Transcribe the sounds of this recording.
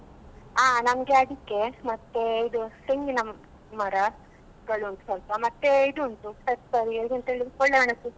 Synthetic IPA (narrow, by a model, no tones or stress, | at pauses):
aːnɐmɡeɐɽikːemɐt̪ːeid̪useŋɡinɐm | mɐɾɐ | ɡɐɭuɐnt̪u̥sɐlp̪ɐmɐt̪ːeid̪uɐnʈ̪usɐɾsɐɾiɐd̪ɡint̪ɐɦeɭːlikɔɭːɐʋɐɳɐt̪ːu